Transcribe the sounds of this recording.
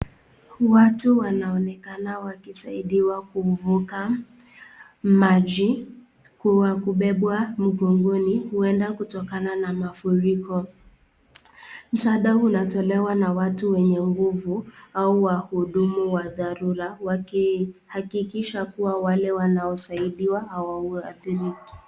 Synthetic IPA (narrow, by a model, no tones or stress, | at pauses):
watuwanaɔnɛkanawakisaiɗiwakuvuka | maʄi | kuwakuɓɛɓwam̩ɡɔŋɡɔnihuɛndakutɔkananamafuɾikɔ | m̩saɗaunatɔlɛwanawatuwɛɲɛŋɡuvuauwahuɗumuwaðaɾuɾawakihakikiʃakuwawalɛwanaɔsaiɗiwahawauaθiɾiki̥